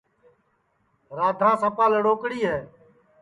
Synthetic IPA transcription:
ɾaːd̪ʱãːsəpaːləɽoːkɽiːɦɛː

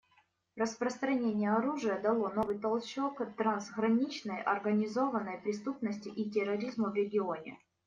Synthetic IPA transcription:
rəspɾəst̪ɾɐnʲenʲɪjəɐɾuʐɨjəd̪ɐlˠo̞no̞vɨjt̪ɐlˠt͡ɕːo̞kt̪ɾanzɣɾɐnʲit͡ɕnəjʔɐrɡənʲɪzo̞vənːəjpɾʲɪst̪upnəsʲtʲɪʔitʲɪɾɐɾʲizməvɾʲɪɡʲɪo̞nʲɪ̰

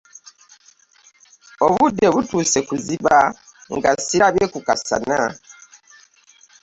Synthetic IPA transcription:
oβudːeβutuːse̞kuziβa | ŋɡasiɾaβe̞kukasa̰na

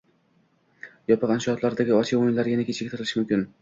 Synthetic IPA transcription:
jɒpɨqanʃɪɒt̪laɾd̪aɡʲɪɒt͡ʃʰaojɪnlaɾjʲanakʲʰet͡ʃʰɡ̚ʲt̪ʰɪɾɪlɪʃɪmʊmkʲɪn

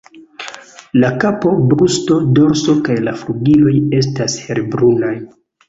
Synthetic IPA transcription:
lakapo̞bɾusto̞do̞ɾso̞kajlafluɡilo̞je̞s̬tashe̞ɾbɾunaj

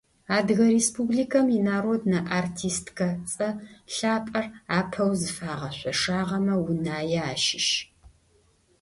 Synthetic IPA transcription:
aːdɣɐɾespʰubɮikʰɐminaːɾoːdnɐʔartʰiːstʰɡɐt͡sʼɐɬaːpʼɐraːpʰɐwzɨfaːʁɐɕʷɔʂaːʁɐmɐwʊnaːjɛaːʃɪʃ

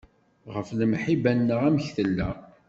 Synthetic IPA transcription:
ʁəfləmħibænːəʁæməçθəlːæ

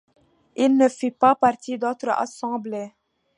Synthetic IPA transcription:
ilnəfipapaʁt̪ʰid̪ot̪χəa̰sɑ̃ble

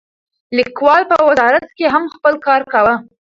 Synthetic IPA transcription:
likwɑlpəwazɑɾat̪keɦamxpəlkɑɾkawə

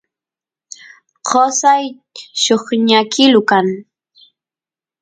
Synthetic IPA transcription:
qosaj | ʃoχɲakɪlʊkaŋ

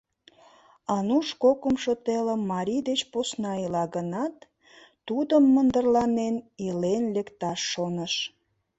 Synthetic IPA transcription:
ɑnuʃkokəmʃot̪eləmːɑɾʲid̪et͡ɕposnɑilɑɡənɑt̪ː | ud̪əmːənd̪ərlɑnenilenlekt̪ɑʃːonəʃ

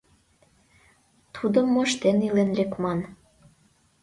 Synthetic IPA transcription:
t̪ʰud̪əmːoʃt̪enilenlekmɑn

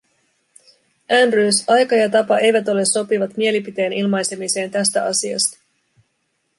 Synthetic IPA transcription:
ʔænryːsɑjkɑjɑt̪ɑpɑʔe̞jʋæt̪o̞le̞sːo̞piʋɑt̪mie̞lipit̪e̞ːnilmɑjse̞mise̞ːnt̪æst̪æɑ̰siɑ̰st̪ɑ̥

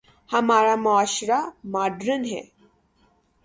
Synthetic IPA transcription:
hamaɭamɔaɕɾamaɖɾənɦḛ

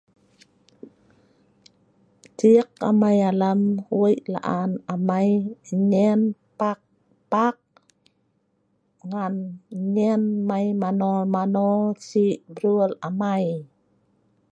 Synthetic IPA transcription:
tiək̚a̰majaləmuəjʔla̰ʔanamajɲɛnpak̚ | pak̚ | ŋanɲɛnmajmanɔmanɔsiʔbɾuəlamaj

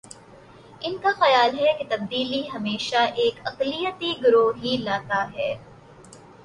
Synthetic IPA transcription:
ɪnkaxɐjaːlɦɛket̪ɐb̚d̪iːliɦɐmeːʃaʔeːkɐqlijət̪iɡʊɾoːɦilaːt̪aɦɛː

